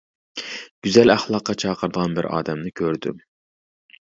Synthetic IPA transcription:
ɡ̥ʲyzɛlæχlˠɑqːɑt͡ʃʰɑːqʰəɾɨd̪əʁɑnbɪɾɑ̰ːd̪ɛmnɪkʲʰøɾd̪y̰m

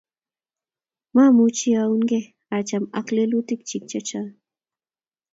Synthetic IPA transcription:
mamut͡ʃiauŋɡe | at͡ʃama̰klelut̪ɪkt͡ʃik̚t͡ʃat͡ʃa

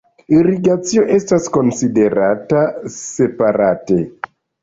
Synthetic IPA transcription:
iɾiɡat͡sio̞ʔe̞stasko̞nside̞ɾatase̞paɾate̞

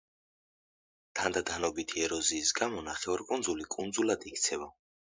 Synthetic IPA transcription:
t̪ʰand̪ad̪anɔbit̪ʰiɛɾɔziːsɡamɔnaχɛaɾkʼund̪zulikʼund̪zulad̪ikʰt̪sʰɛva

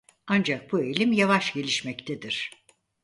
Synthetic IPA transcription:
and͡ʒak̚bue̞jlʲimjavaʃɟe̞lʲiʃmɛct̪ʰɛd̪iɾ̥

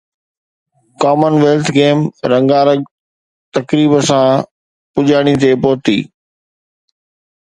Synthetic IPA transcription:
kaːmənʋeːlt̪ʰɡeːmɾɐ̃ŋɡaːɾəɡ̚ | t̪ɐkɾiːbəsã | pʊʄaːɽ̃it̪epɔːt̪ḭː

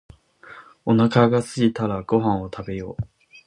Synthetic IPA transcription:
o̞nakaɡasɨɡʲit̪aɾaɡ̥o̞ɦãɰ̃o̞t̪ʰabe̞jo̞̰ː

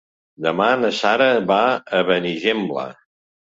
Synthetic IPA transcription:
d̪əmanəsaɾəβaəβəniʒemblə̰

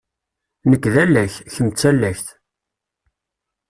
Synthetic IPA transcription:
nəkːðælːæççəmt͡sːælːæçθ

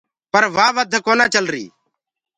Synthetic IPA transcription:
pəɾʋaːʋəd̪ʱkoːnãːt͡ʃəlɾḭː

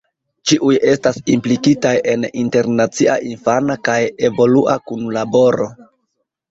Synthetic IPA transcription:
t͡ʃiʔuje̞stasimplikitaje̞ninte̞ɾnat͡siʔa̰ʔinfanakaje̞vo̞luʔakunlabo̞ɾo̞

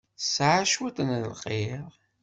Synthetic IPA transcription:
sʕaʃwæt̪ənllqiɾ

